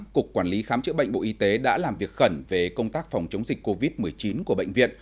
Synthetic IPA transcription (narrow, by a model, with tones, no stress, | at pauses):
kʊ˨˩kːwaː˧˩nli˨˦xaː˨˦mt͡ɕɨ̰˧˥ɓə̰˧˨ŋ̟ɓ̰o̰˧˨ʔi˧t̪e˨˦ɗa̰ː˧˥laː˨˩mvi˨˩ək̚xə˧˩nve˨˩kə˧wŋ͡mt̪aː˦˥k̚fa˨˩wŋ͡mt͡ɕə˨˦wŋ͡mzi˨˩k̟ko˧vi˦˥t̚mɨ˨˩əjt͡ɕi˨˦nku˧˩əɓə̰˧˨jŋ̟vḭ˧˨ən